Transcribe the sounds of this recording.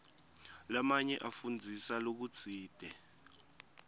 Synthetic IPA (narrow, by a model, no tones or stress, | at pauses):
lamaɲɛʔafund͡zʱisalok̬u̥t͡siːd̥ʱɛ